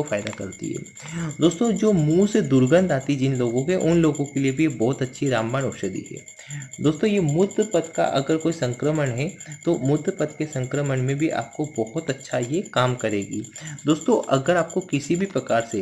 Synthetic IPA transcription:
ofaːɪd̪akɐɾt̪ḭɦɛ̰ː | d̪oːst̪õd͡ʒoːmuːsed̪ʊɾɡə̃nd̪aːt̪id͡ʒɪnloːɡõkeʔʊnloːɡõkeliebʱibɔːt̪ɐtːʃʰiɾaːmbaːnɔːʃəd̪ḭɦɛ̰ː | d̪oːst̪õjemʊd̪pɐt̪ka̰ʔɐɡəɾkoːisɐ̃ŋkɾəmənɦɛt̪omʊd̪pɐt̪kesɐ̃ŋkɾəmənmẽbʱiʔa̰ːp̚kobɔɦʊt̪ɐtːʃʰajekaːmkɐɾeːɡḭːd̪oːst̪õʔɐɡəɾaːp̚kokɪsibʱipɾɐkaːɾse

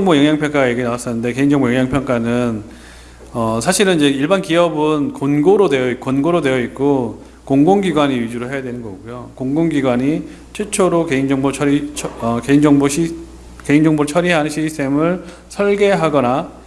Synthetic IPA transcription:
ŋbojʌŋjaŋpʰjʌŋk͈aɡaje̞ɡienawas͈ʌnːɯnde̞ke̞ind͡ʑʌŋbojʌŋjaŋpʰjʌŋk͈anɯn | ʌsʰaɕʰiɾɯnid͡ʑe̞iɭbankiʌbɯnkonɡoɾode̞jʌik̚konɡoɾode̞jʌit̚k͈o | koŋɡoŋɡiɡwaɲiɥid͡ʑuɾɯɭɦe̞jadwe̞nɯnɡʌɡojokoŋɡoŋɡiɡwaɲi | t͡ɕʰwet͡ɕʰoɾoke̞ind͡ʑʌŋboʌɾiʌkeind͡ʑʌŋboɕʰi | ke̞ind͡ʑʌŋboɾt͡ɕʰʌɾiɦanɯnɕʰisʰtʰe̞mɯɭ | sʰʌɭɡe̞ɦaɡʌna

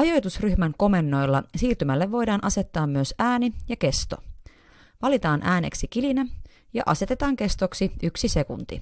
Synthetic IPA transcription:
ɑjo̞jt̪usryçmæŋko̞me̞nːo̞jlːɑsiːrt̪ymælːeʋʋo̞jdɑːnʔɑse̞t̪ːɑːmmyøsæːnijɑke̞st̪o̞̰ | ʋɑlit̪ɑːnʔæːnḛksik̟ilinæ | jɑ̰ʔɑ̰se̞t̪e̞t̪ɑːŋke̞st̪oksiʔyksise̞kunt̪ḭ

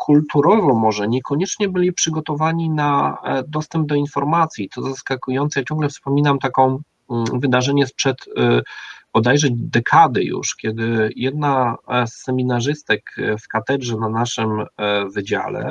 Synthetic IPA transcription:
kʰult̪uɾɔvɔ̃w̃mɔʐɛɲɛkɔɲɛt͡ʂɲɛbɘlʲipʂɘɡɔt̪ɔvaɲinad̪ɔst̪ɛmb̚d̪ɔinfɔɾmat̪sʲjit̪ɔzaskakujɔnt̪sjak̚t͡ɕɔ̃ŋɡlɛfspɔmʲinamt̪akɔ̃w̃ | vɘd̪aʐɛɲɛspʂɛt̪ | pɔd̪ɛjʐɛd͡ʑd̪ɛkʰad̪ɘ̰jṵʂkʲɛd̪ɘjɛd̪nasːɛmʲinaʐɘst̪ɛkfkat̪ɛdʐɛnanaʂɘmvɘd͡ʑa̰lɛ̰

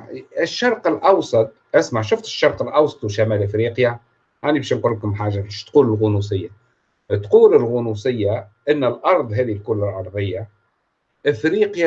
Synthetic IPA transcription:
ɪʃːɑɾˤqəlʔɑwsˤɑt̪̚ˤʔɪsmaʕʃʊft̪ɪ̥ʃːɑɾˤqəlʔɑwsˤɑ̥t̪ˤwʃamæːlʔɪfɾiːqja | janibɛːʃnqulːkʊmħaːʒabɛʃt̪quːlɪlɣʊnusɪjːa | t̪quːlɪlɣʊnusɪjːaʔɪnːəlʔɑɾˤðˤɦɛːðilkʊlːɪlʕɑɾˤðˤəjːa | ʔɪfɾiːqja

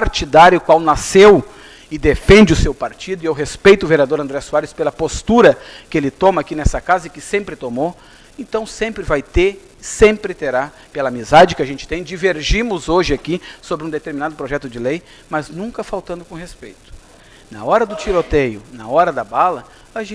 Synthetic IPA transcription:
paɾt͡ʃid̪aɾjʊkwawnasew | ɪd̪efẽnd͡ʒɪʊsewpaɾt͡ʃid̪ʊɪewɦespejt̪ʊveɾiad̪oɾɐ̃nd̪ɾɛsuaɾɪspelɐpost̪uɾɐkɪelɪt̪õmɐakinɛsɐkazɐɪkɪsẽmpɾɪt̪omo | ẽnt̪ɐ̃w̃sẽmpɾɪvajt̪eɾ | sẽmpɾɪt̪eɾa | pelɐamizad͡ʒɪkɪaʒẽnt͡ʃɪ̥t̪ẽj̃d͡ʒiveɾʒĩmʊzoʒɪakisobɾɪũd̪et̪eɾminad̪ʊpɾoʒɛt̪ʊd͡ʒɪlej | mɐznũŋkɐfawt̪ɐ̃nd̪ʊkõɦespejt̪ʊ̥ | nɐ̰ɔɾɐd̪ʊt͡ʃiɾot̪ejʊnɐɔɾɐd̪ɐbalɐ | aʒ̃

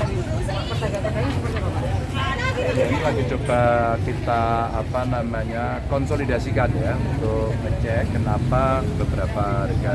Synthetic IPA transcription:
apərsakakakaiuaa | jainilaɡit͡ʃobakit̪aːpanamaɲa | kɔnsolidasikanjaunt̪ʊk̚mət͡ʃɛkːənapabəbəɾapaɾeɡa

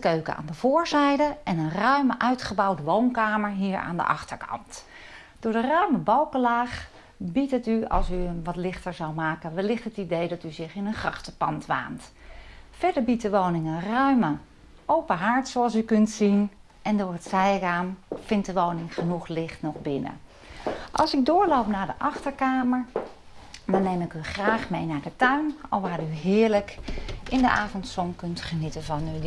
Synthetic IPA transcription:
əkøɥkə̰a̰ːndəv̥ʊːɹzɛjdəɛnənrœɥməʔœɥtχəbɑwdəʋownkaːməɹɦiːɹa̰ːndə̰ʔɑ̰χtəɹkʰɑ̰nt | d̥ʊːɹdərœɥməbɑlˠkəlaːχ | bitətyɑ̰lˠsyənʋɑtlɪχtəɹzɑwmaːkənʋəlɪχtətidejdɑtyzɪχɪnənχrɑχtəpɑntʋa̰ːnt | fɛɹdəɹbit̚dəʋownɪŋənrœɥmə | owpəɦaɹtsoɑlˠsykɵntsin | ʔɛndʊːɹətsɛjraːmfɪnt̚dəʋownɪŋχənuχlɪχtnɔχbɪnə̰ | ʔɑ̰lˠsɪɡ̚dʊːɹlowpnaːɹdəʔɑχtəɹkaːməɹ | dɔnemɪkyχraːχmejnaːɹdətœɥnɔ̰lˠʋaːryɦɪːɹləkɪndəʔaːvɔntsɔmkɵntχənitəvɑny

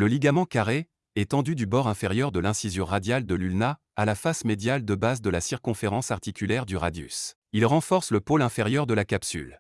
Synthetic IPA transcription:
ləliɡamɑ̃kaʁe | ɛt̪ɑ̃d̪yd̪ybɔʁɛ̃feʁjœʁd̪əlɛ̃sizjɔ̃ʁad̪jald̪əlylna | alafasmed̪jald̪əbazd̪əlasiʁkɔ̃feʁɑ̃saʁt̪ikʲylɛʁd̪yʁa̰d̪jy̰s | ilʁɑ̃fɔʁsləpolɛ̃feʁjœʁd̪əlakapsy̰l

